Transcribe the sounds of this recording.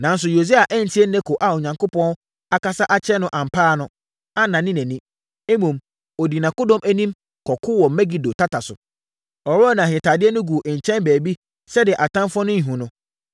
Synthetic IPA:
nã˨n˦s̬ʊ˨jo˨si˦a˨ʔæ˦n̩˨tʰi˦ɛ˦n˦nɛ̃˦kʰo˨ʔa˨o˨ɲã˨ŋkʊ˦pɔ̃˦n | a˨ka˦sa˦ʔa˦t͡ɕʰɛ˦nʊ̃˨ʔã˨m̩˨pʰaː˦˨nʊ̃˦ | a˦nã˨nɪ̃˦nɛ̃˨nĩ˦ | e˦mũ˨m | ɔ˨di˨nã˨kʊ˦dɔ̃˦mʔæ˦nĩ˦m | kʰɔ˨kʰʊ˦wɔ˨mɛ˦ɡi˨do˨tʰa˦tʰa˨sʊ̰˨ | ɔ˨ɾɔ˦nã˨ɦɪ̃˨tʰaː˨dɪ˦ɛ˦nʊ̃˦ɡu˨ʔɲ̩˨t͡ɕʰɛ̃˦nbæː˨bi˦ | sɛ˦dɪ˨ɛ˨ʔa˨tʰã˦mfɔ̃˦nʊ̃˦ɲ̩˨ɦũ˨nʊ̃˦

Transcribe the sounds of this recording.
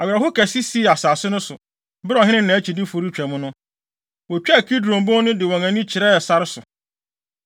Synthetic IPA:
a˨ɥɛ˨ɾa˨ɦʊ˦kʰæ˨si˦si˦˨a˨saː˨sɪ˦nʊ̃˦sʊ˨ | bɪ˦ɾɔ˨ɦɪ̃˦nɪ̃˦nã˨æ˦t͡ɕʰi˨dɪ˦fʊ˨ɾi˦t͡ɕᶣɛ˨mʊ̃˦nʊ̃˦ | wɔ˨t͡ɕᶣɛ˦˨kʰi˦dɾõ˨m˨bõ˦nʊ̃˦dɪ˨wɔ̃˨ŋæ̃˨nĩ˦t͡ɕʰɪ˨ɾɛ˦˨sa˦ɾɪ˦sʊ˨

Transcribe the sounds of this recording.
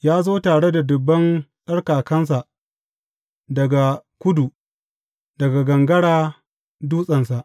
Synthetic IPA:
jaː˦zoː˦taː˨ɽe˦da˨dʊ˨bːɐ˦nsʼɐ˦ɽkaː˨kɐ˦ns̬a˨ʔ | dɐ˨ɡa˨kʷʊ˦du˨ | dɐ˨ɡa˨ɡɐ˨ŋɡɐ˦ɽaː˦ | duː˦sʼɐ˨nsa˨ʔ

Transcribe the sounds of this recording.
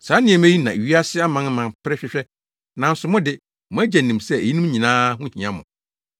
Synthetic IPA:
saː˨˦nɪ̃˦ɛ̃˨mæ̃˦i˦nã˨ɥi˦a˦sɪ˦a˦mã˨˦n˦mã˨npʰɾɛ˦ɕᶣɪ˦ɕᶣɛ˦ | nã˨n̩˦sʊ˨mʊ̃˦dɪ˦ | mʊ̃˦æ˦d͡ʑɛ˨nĩ˨msɛ˦e˨i˦nũ˦m˦ɲĩ˨nãː˦hʊ̃˦˨ĩ˨ã˦mʊ̰̃˨

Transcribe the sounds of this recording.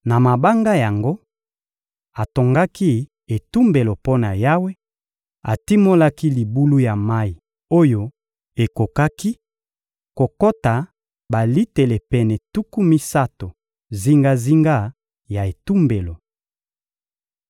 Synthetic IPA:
na˨ma˨ba˦ŋɡa˦ja˨ŋɡo˦ | a˨to˨ŋɡa˦ki˦ | e˨tu˦mbe˨lo˨po˦na˨ja˦we˦ | a̰˨ti˦mo˦la˦ki˦li˨bu˦lu˦ja˨ma˦i˨ | o˦jo˨ | e˨ko˨ka˦ki˦ | ko˨ko˦ta˨ | ba˨li˦te˨lɛ˨pɛ˨nɛ˨tu˦ku˦mi˦sa˦to˨ | zi˦ŋɡa˦zi˦ŋɡa˦˨ | ja˨e˨tu˦mbe˨lo˨

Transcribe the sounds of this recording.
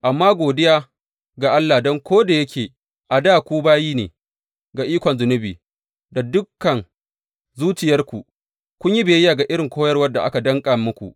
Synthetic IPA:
ʔa˨mːaː˦ɡʷoː˨dɪ˦jaː˦ | ɡa˨ʔa˦lːa˨dɔ˦ŋkʷoː˦da˨jɐ˦kʲʰeː˨ | ʔa˨daː˦˨kʷu˦baː˦jiː˦nḛː˨ | ɡa˨ʔiː˦kʷɔ˨nzʊ˨nʊ˦biː˨ | da˨dʊ˦kːɐ˨n | zuː˦t͡ʃɪ˨jɐ˦rkʷu˨ | kʷʊ˦ɲji˦beː˨jɪ˦jaː˨ɡa˨ʔɪ˦ɽɪ˨ŋkʷoː˦jɐ˦rwɐ˦rdːa˨ʔa̰˦ka˨dɐ˦ŋkʼa˨mʊ˦kʷṵ˨ʔ

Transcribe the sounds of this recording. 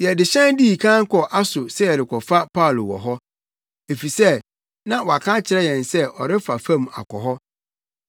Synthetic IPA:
jɛ˨dɪ˨ɕɛ̃˦ndi˦i˨kʰã˦ŋ̩˦kʰɔ˨ʔa˦sʊ˨sɛ˦jɛ˨ɾɪ˨kʰɔ˨fa˦pʰa˦˨lo̰˨wɔ̰˨ɦɔ˦ | e˨fi˨sɛ˦˨ | nã˦wɔ˨a˨kʰã˦t͡ɕʰɪ˨ɾɛ˦jɛ̃˨nsɛ˦ʔɔ˨ɾɪ˦fa˨fã˦m˨a̰˨kʰɔ̰˨ɦɔ˦

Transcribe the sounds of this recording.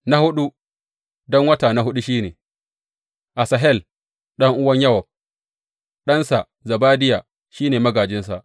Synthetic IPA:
na˦hʊ˦ɗu˦ | dɔ˦ŋwɐ˦taː˨na˨ɦʊ˦ɗu˦ʃiː˦neː˨ | ʔa˨sɐ˨ɦɛ˦l | ɗɐ˦ŋʔʊ˦wɐ˦ɲjɐ˦wɐ˨ | ɗɐ˦nsa˨ | zɐ˨baː˦dɪ˦jaː˨ | ʃiː˦neː˨mɐ˦ɡaː˨d͡ʒɪ˦ns̬a˨ʔ

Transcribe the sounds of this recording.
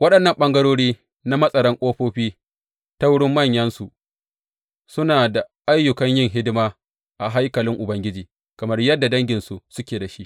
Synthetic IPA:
wɐ˦ɗɐ˨nːɐ˨mɓɐ˦ŋɡɐ˦ɽoː˦ɽiː˦ | na˦mɐ˦sʼɐ˨ɾɐ˦ŋkʷʼoː˦ɸoː˦ɸiː˦ | ta˦wʊ˦ɽɪ˦mːɐ˦˨ɲjɐ˦nsu˨ʔ | sʊ˦naː˨da˨ʔa˦jːʊ˨kɐ˦ɲjɪ˦˨ŋɦɪ˦dɪ˦maː˦ | ʔa˨ɦa˦jkɐ˨lɪ˦ŋʔʊ˨bɐ˦ŋɡʲɪ˦d͡ʒiː˨ | kɐ˨mɐ˦rjɐ˦dːa˨dɐ˦ŋɡʲɪ˨nsu˨sʊ˦kʲeː˨da˨ʃi˦ʔ

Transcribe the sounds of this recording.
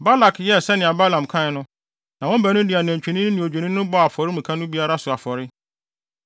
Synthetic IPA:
ba˦la˨kjɛ˦˨sɛ˦nɪ̃˨a˨ba˦lã˨m˨kʰã˦˨˦nʊ̃˦ | nã˨wɔ̃˦m̩˦bæ˨nʊ̃˦dɪ˨a˨næ̃˨ɲt͡ɕᶣi˨nĩ˦n˦nɪ̃˨o˨d͡ʑᶣe˨nĩ˦nʊ̃˦bɔ˦a˨fɔ˨ɾɪ˦mĩ˨kʰã˦nʊ̃˦bi˦a˦ɾa˦sʊ˨a˨fɔ˨ɾɪ˦

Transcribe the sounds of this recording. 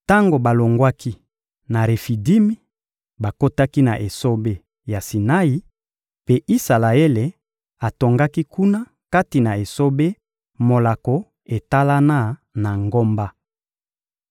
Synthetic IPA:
ta˦ŋɡo˨ba˨lo˨ŋɡwa˦ki˦ | na˨ʁe˨fi˨di˦mi˦ | ba˨ko˦ta˦ki˦na˨ʔe˨so˦be˦ | ja˨si˨na˦i˦ | pe˦ʔi˦sa˨la˨e˦le˨ | a˨to˨ŋɡa˦ki˦ku˦na˦ | ka˦ti˨na˨e˨so˦be˦ | mo˨la˨ko˨ | e˨ta˦la˦na˦na˨ŋɡo˦mba˦

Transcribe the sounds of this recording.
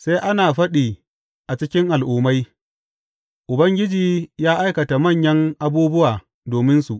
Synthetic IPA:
sa˦jʔa˦naː˨ɸɐ˦ɗiː˨ | ʔa˨t͡ʃɪ˦kʲɪ˦ŋʔa˨lʔʊː˨ma˦j | ʔʊ˨bɐ˦ŋɡʲɪ˦d͡ʒiː˨jaː˦ʔa˦jkɐ˨ta˨mɐ˦˨ɲjɐ˦ŋʔa˦buː˦bʊ˦waː˨ | doː˨mɪ˦nsu˨ʔ

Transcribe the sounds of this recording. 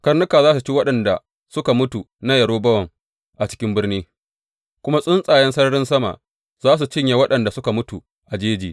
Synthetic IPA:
kɐ˦rnʊ˦kaː˨zaː˦s̬u˨t͡ʃi˦wɐ˦ɗɐ˨nda̰˨ | sʊ˦ka˨mʊ˦tu˨ | na˦jɐ˨ɽoː˦bɐ˦wɐ˨ŋ | ʔa˨t͡ʃɪ̥˦kʲɪ˦mbɪ˦rniː˦ | kʷʊ˦ma˦sʼʊ˦nsʼaː˨jɛ˦nsɐ˦nɐ˦ɽɪ˦nsɐ˦ma̰˨ʔ | zaː˦s̬u˨t͡ʃɪ˦ɲja˨wɐ˦ɗɐ˨nda˨sʊ˦ka˨mʊ˦tu˨ | ʔa˨d͡ʒeː˦d͡ʒiː˨

